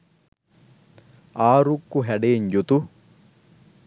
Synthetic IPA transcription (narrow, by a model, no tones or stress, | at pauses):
aːɾukːuɦɛɖeːɲd͡ʒut̪u